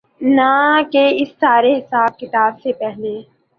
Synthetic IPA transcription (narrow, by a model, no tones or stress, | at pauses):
nakeɪsːaːɾeɦɪsaːb̚kɪt̪aːbsepɛɦneː